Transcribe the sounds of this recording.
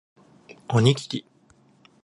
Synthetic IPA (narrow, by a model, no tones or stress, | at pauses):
oɲikʲi̥kʲi